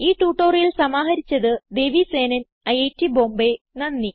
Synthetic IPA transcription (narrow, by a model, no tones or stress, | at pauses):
iːʈuːʈːoːrjilsɐmaːɦɐɾit͡ɕːɐðɨd̪e̞ːʋise̞ːnɐn | ɐjejtːibo̞ːmbe | nɐnːi